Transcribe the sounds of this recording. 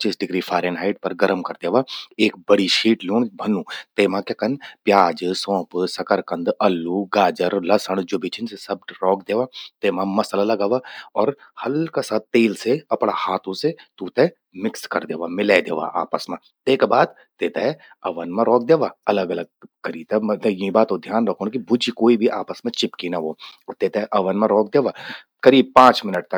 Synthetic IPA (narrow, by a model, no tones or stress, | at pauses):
t͡ʃiːsɖɪɡɾifʰaːɾenɦaːɪʈ̚pɐɾɡɐɾəmkɐɾd̪eːʋaeːk̚bəɽiʃiːʈluːɳ̃bʱɐnũːt̪eːmãkekənpjaːd͡ʒsɔ̃ːpsɐkəɾkə̃nd̪ɐlːuɡaːd͡ʒəɾlɐsəɽ̃d͡ʒʊbit͡ʃʰɪnsesɐb̚ɾɔːkd̪eːʋat̪eːmãmɐslalɐɡaːʋaɔːɾhɐlkasaːt̪̚t̪eːlseɐpɽ̃ahaːt̪ʰũset̪uːt̪e | mɪkskɐ̰ɾd̪eːʋamɪled̪ḛːʋa̰ʔa̰ːpəsmẽ | d̪eːkbaːd̪ | t̪eːt̪e | ɐʋənmẽɾɔːk̚d̪eːʋaːɐləɡɐləɡ̚kəɾiːt̪ɛt̪jiĩbaːt̪od̪ʱjaːnɾɐkʰoːnkibʊd͡ʒikoːibʱiʔaːpəsmẽt͡ʃɪpkinaʋoːt̪eːt̪ɛʔɐʋənmẽɾɔːk̚d̪eːʋaː | kɐɾiːb̚pãːt͡ʃmɪnəʈ̚t̪ɐ